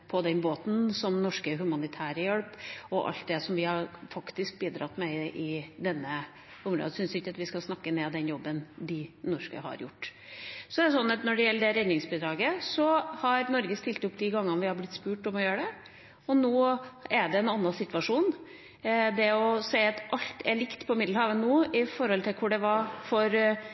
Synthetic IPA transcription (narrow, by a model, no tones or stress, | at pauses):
pʰɔd̪ɛnboːt̪n̩sɔmnɔʂkəɦʉmɑnɪt̪ʰæːɾəjɛlpɔʔɑ̰lt̪̚d̪ɛsɔmʋɪhɑɾfɑkt̪ɪsk̚biːd̪ɾɑ̰t̪ːmɛʔɪd̪ɛnːə | ʊmɾo̰ːd̪əsʏnsɪkːɑt̪ʋɪskɑsnɑkːəneːd̪ɛnjɔbːənd̪ɪnɔʂkə̰hɑ̰ɾjʊ̰ʈːsɔɛɛs̬ɔnːɑt̪nɔɖɛjɛlːəɖɛɾɛd̪nɪŋsbid̪ɾɑːɡəsɔhɑɾnɔɾɡəst̪ɪlt̪əʊpːd̪ɪɡɑŋːənʋɪhɑɾblɪt̪spʉːʈɔmɔjøːɾəɖɛ | ɔnoːɛɖɛɛnɑnːɑsɪt̪ʋɑʂuːn | d̪ɛɔsɛɪɑt̪ʔɑʎt̪ʰɛɭɪkt̪pʰɔɪmɪd̪lhɑːʋənoːɪfɔɾhɔlt̪ʰɪlkʰʊɖɛʋɑfɔɾ